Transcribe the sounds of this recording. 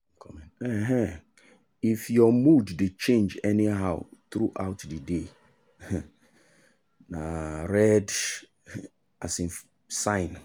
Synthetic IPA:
kʰɔmɛ̃nɛɦɛ̃ | ifjɔmudːet͡ʃʰẽnd͡ʒɛniɦaʊt̪ɾuʔaʊtdəde | nãɾɛd | asĩn | sãɪ̃n

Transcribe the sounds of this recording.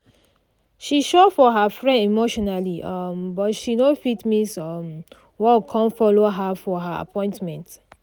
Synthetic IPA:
ʃiʃɔfɔɦəfɹɛ̃ndimoʃɔnaliʔʌmbɔtʃinofitmisʌm | wɔkʰɔ̃nfɔloɦafɔɦaa̰pʰɔ̃ɪ̃ntmɛ̃nt

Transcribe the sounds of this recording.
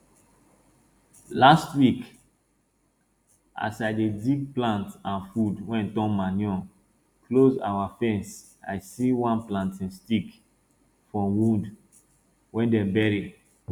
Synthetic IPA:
lastwik | a̰saɪdedik̚plãntãnfudwɛ̃ntɔ̃nmanjɔ̃ | kloza̰wafɛ̃ns | a̰ɪsiwãnplãntĩnstik | fɹɔ̃mwũnd | wɛ̃ndɛ̃bɛɹi

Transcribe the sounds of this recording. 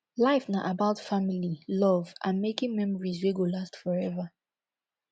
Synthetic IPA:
laɪfnaʔabaʊtfamililɔvʔã̰nmekɪ̃ŋmɛ̃mɔɹizweɡolastfɔɹɛva

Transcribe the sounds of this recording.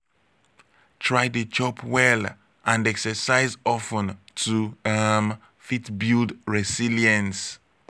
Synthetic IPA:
tʰɹaɪdət͡ʃɔpwɛl | ʔãnɛksəsaɪzɔfə̃ntʰum | fitbildɹɛsiliə̃ns

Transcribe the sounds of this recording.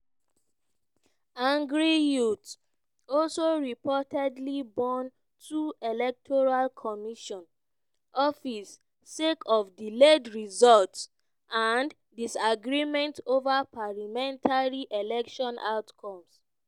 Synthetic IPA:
ãŋɡɹijut | ɔlsoɹipɔtɛdlibɔ̃n | tʰuelɛk̚tʰɔɹalkʰɔmiʃɔ̃n | ɔfisː | ekʰɔfdiledɹizɔlts | ʔãn | disaɡɹimɛ̃ntovapalamɛ̃ntʰaɹiʔelɛkʃɔ̃nʔa̰ʊtkʰɔ̃ms

